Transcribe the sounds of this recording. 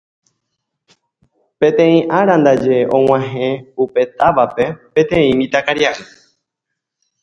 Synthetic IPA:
pẽ̞t̪ẽ̞ĩʔaɾãnd̪ad͡ʒeʔõw̃ãɦẽupe̞t̪aʋape̞pẽ̞t̪ẽĩmĩt̪akaɾjaʔɨ

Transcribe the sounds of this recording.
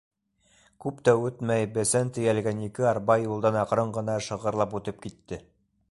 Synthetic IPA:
kʉpt̪æʉt̪mæjbɘsænt̪ɘ̆jælɡænikɘɑɾbɑjːulˠd̪ɑnɑqɾɤɴɢɤ̆nɑʃɤ̆ʁɤ̆ɾlˠɑput̪ɤp̚kit̪ːɘ

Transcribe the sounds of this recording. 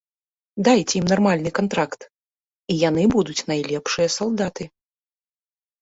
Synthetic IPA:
d̪ajt͡sʲɛimnarmalʲnɨkant̪ɾakt̪ | ijanɨbud̪ut͡sʲnajlʲɛpʂɨjɐsalˠd̪at̪ɨ

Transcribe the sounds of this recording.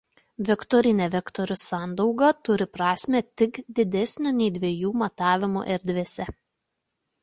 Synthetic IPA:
ʋʲɛkt̪ɔɾʲɪnʲɛʋʲɛkt̪ɔɾʲʊsɑˑnd̪ɐʊɡɐt̪ʊɾʲɪpɾɑːsʲmʲeːt̪ʲɪkd̪ʲɪd̪ʲɛsʲnʲʊnʲɛɪd̪ʲʋʲiɛjuːmɐt̪ɑːʋʲɪmṵʔɛɾʲd̪ʲʋʲesʲɛ

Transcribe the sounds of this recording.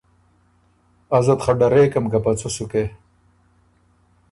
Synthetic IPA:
ɐzɐt̪χɐɖɐɾeːkɐmkapɐt͡sosuke

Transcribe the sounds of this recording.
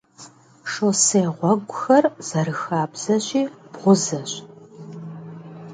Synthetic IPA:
ʂoseːʁʷɔɡʷʊxɐrz̥ɐɾɨxaːbz̥ɐɕʼiːb̥ʁʷʊzɐɕ

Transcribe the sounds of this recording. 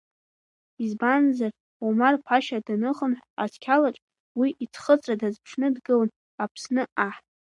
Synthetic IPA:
izbanzar | umarpʰaʃadanɨχənħʷa̰tʰkʲʰalaʈ͡ʂʼ | wiʔitʰχət͡sʼradazpʰʂʰnɨdɡɨln | apʰsnɨaħtʼ

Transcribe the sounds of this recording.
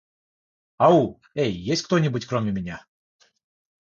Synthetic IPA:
au | ejːesʲtʲkt̪onʲɪbutʲkɾomʲɪmʲɪnʲa

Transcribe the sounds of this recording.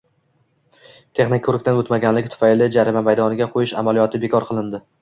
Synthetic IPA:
t̪ʰe̞χnɪk̚ʲkʰːɵɾɪkʲt̪anot̪maɡʲanlɪkʲt̪ʰʊ̥fajlɪd͡ʒaɾɪmamajd̪ɒnɪɡʲaqʰojɪʃa̰malijɒt̪ʰɪbe̞kʰɒɾqʰɨlˠɪnd̪ɪ

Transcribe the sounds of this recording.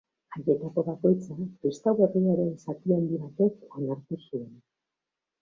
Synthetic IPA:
aje̞t̪ako̞βako̞jt͡sapɾist̪awɣeriaɾenisak̪iand̪iβat̪e̞ko̞naɾt̪usue̞n

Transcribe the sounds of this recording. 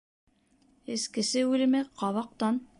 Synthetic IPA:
ɘ̆skɘ̆sɘʉlɘ̆mɘqɑβɑq̚t̪ɑn

